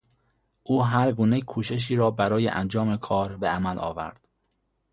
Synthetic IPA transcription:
ʔuːɦæɾɡuːne̞kʰuːʃe̞ʃ̬iːɾɒːbæɾɒːjḛʔæ̰nd͡ʒɒːmekʰɒːɾbeæmælʔɒ̰ːvæ̰ɾd̪̥

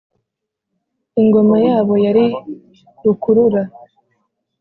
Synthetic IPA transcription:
iŋɡo̞majaːβo̞jaɾi | ɾukuɾuɾa

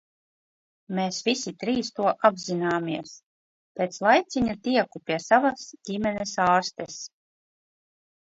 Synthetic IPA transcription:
meːsvisit̪ɾiːst̪uɔʔabzinaːmiɛs | peːt̪slˠajt̪sʲiɲat̪iɛkupʲiɛsavasdʲimʲɛnesaːɾst̪es

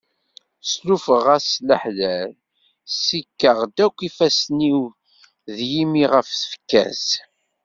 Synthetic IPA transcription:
slufəʁæsləħlæl | sikːəʁd̪ækʷːifæsniw | ðjimiʁəfθə̥fə̥kːæ̰z

